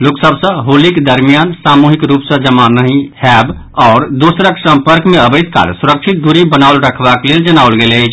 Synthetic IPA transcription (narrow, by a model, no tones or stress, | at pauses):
loːksəbsə̃ɦoːlikd̪əɾmijaːnsaːmuɦikɾuːpsə̃d͡ʒəmanəɦĩhɛb | ɔːɾd̪oːsɾəksə̃mpəɾkmẽəbəɪd̪ka̰ːlsʊɾəkʃʰɪt̪̚d̪uɾibənaʊlɾəkʰbakleld͡ʒənaʊlɡelet͡ʃʰ